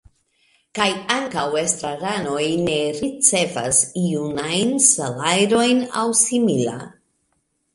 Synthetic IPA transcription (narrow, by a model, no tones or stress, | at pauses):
kajaŋkawe̞stɾaɾano̞jne̞ɾit͡se̞va̰siunajnsalajɾo̞jna̰wsimila̰